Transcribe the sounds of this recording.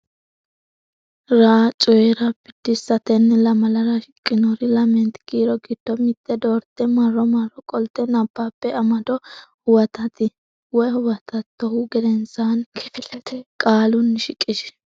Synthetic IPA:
ɾaːt͡ʃʼɔjɛɾɐbɪd̪̥ːɪsɐt̪ɛnːɛlɐmɐlɐɾɐʃɪkʼːɪnɔɾɪlɐmɛnt̪ɡ̥iːɾɔɡɪd̪̥ːɔmɪt̪ːɛd̪oːɾt̪ːɛmɐrːɔmɐrːɔkʼɔlt̪ːɛnɐb̥ːaːpːɛɐmɐd̪ɔhʊwɐt̪ɐt̪ɪ | wɔjhʊwɐt̪ɐt̪ːɔhʊɡɛd̪ɛnsaːnkʰɪfɪlɛt̪ʰɛkʼaːlʊnʃɪkʼːɪʃ

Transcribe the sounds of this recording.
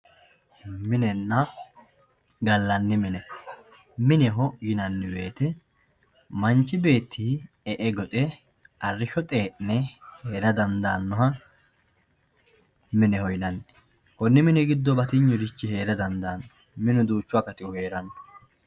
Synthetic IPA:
mɪnɛnːɐ | ɡɐlːɐnːɪmɪnɛ | mɪnɛɦɔjɪnɐnːɪbe̞ːt̪ɛ | mɐnt͡ʃːɪbe̞ːt̪ʰːi | ɛʔɛɡɔt̪ʼɛ | ɐrːɪʃɔt̪ʼeːʔnɛheːɾɐd̪ɐnd̪aːnːɔɦɐ | mɪnɛhɔjɪnɐnːɪ̥ | kɔnːɪmɪnɛɡɪd̪ːɔbɐt̪ɪɲːɔɾɪt͡ʃːɪhe̞ːɾɐd̪ɐnd̪aːnːɔ | mɪnʊd̪uːt͡ʃːʊɐkɐt̪ɪʊhe̞ːɾɐnːɔ

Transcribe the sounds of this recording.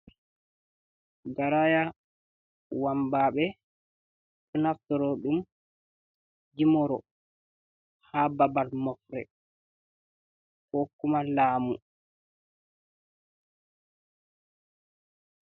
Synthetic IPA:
ɡaɾaja | wambaːɓɛ | ɗunaftɔɾɔɗum | d͡ʒimɔɾɔ̰ | hababalmɔfɾɛ̰ | kokːumalaːmṵ

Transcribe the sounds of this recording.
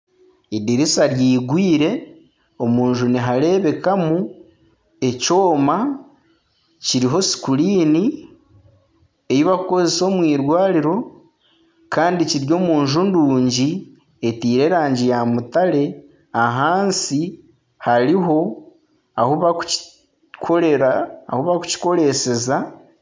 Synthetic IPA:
idiɾisaɾjiːɡwiːɾe̞ | o̞muːɲʒuniɦaɾe̞βe̞kamu | e̞co̞ːma | ciɾiɦo̞si̥kuliːni | e̞jiβakuko̞ze̞so̞ːmwiːɾwaːɾiɾo̞ | kaːndiciɾjo̞ːmuːɲʒunduːɲɟi | etiːɾe̞ɾaːɲɟijamutale̞ | aɦaːnsi | haɾiɦo̞ | a̰huβaku̥ | kʰoeɾaahuβaku̥ci̥ko̞ɾe̞se̞za

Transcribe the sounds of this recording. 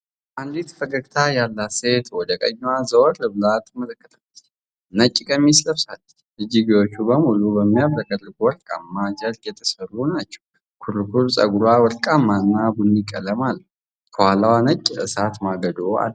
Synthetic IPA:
ʔand̪it̪bəɡəɡt̪ʰajalːase̞t̪wɔd̪əkʼə̰ɲːwazəwɔɾlɨβlat̪mələkːə̥t̪ʰəlː | nət͡ʃʼːikʼəmːisləβsal | ʔɨd͡ʒiɡiwot͡ʃːubəmulubəmːijaβɾəkʼəlːɨɡwɔlkʼamːad͡ʒəljɛt̪ʰə̥sərːunat͡ʃːɛ̥w | kʰuɾukʰuɾsʼə̰ɡuɾwawɔɾkʼamanːabunːikʼːələmal | kʰəhalawanət͡ʃʼːɨsat̪maɡəd̪oa̰l

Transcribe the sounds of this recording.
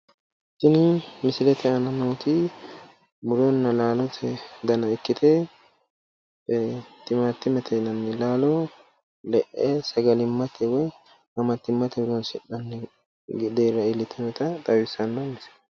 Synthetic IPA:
sɪnɪmɪsɪlɛt̪ʰɛɐnɐnoːt̪ɪ | mʊɾonːɐlaːlɔt̪ʰɛd̪ɐnɐɪkːɪt̪ɛ | t̪ɪmat̪ːɪmɛt̪ʰɛnɐnːɛlaːlɔ | lɛʔɛsɐɡɐlɪmːɐt̪ʰɛwɔj | hɐmɐt̪ːɪmːɐt̪ɛbʊɾɔnsɪɗɐnːɛ | ɡd̪eːɾːɐɪlːɪt̪ʰːɛnɔt̪ɐt̪ʼɐwɪsɐnːɐmɪsɪ̥

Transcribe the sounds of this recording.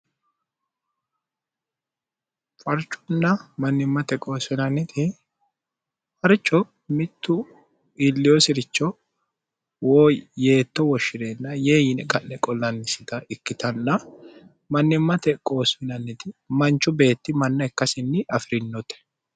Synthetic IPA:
fʼɐɾt͡ʃʼːʊ̥nːɐmɐnːɪmːɐt̪ɛkʼo̞ːsɪnɐnːɪt̪ʰɪ | fʼɐɾt͡ʃʼːɔ | mɪt̪ːʊ | iːlːɪjoːsɪɾɪt͡ʃːɔ | woːje̞ːt̪ːɔwɔʃːɪɾeːnːɐje̞ːjɪnɛkʼɐnːɛkʼɔlːɐnːɪsɪt̪ɐɪkːɪt̪ɐnːɐ | mɐnːɪmːɐt̪ɛkʼo̞ːsɪnɐnːɪt̪ɪmɐnt͡ʃːʊbe̞ːt̪ːɪmɐnːɐɛkːɐsɪnːɪɐfɪɾɪnːɔt̪ɛ̥

